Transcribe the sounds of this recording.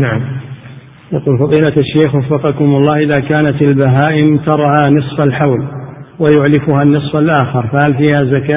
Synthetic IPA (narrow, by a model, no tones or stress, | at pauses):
naʕm | jaquːlfɑðˤiːlat̪aʃːeːxwɑfːɑqɑkʊmʊlˤːɑːhʔɪðaːkaːnat̪albaɦaːʔɪmt̪ɑɾˤʕanɨsˤfalħawlwajʊʕlɪfʊhanːɨsˤfalʔaːxɪɾˤfahalfiːhazakaː